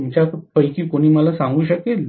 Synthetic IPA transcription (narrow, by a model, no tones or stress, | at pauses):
mt͡ɕatpəjkiːkoɽ̃iːməlasãŋɡuːɕəkel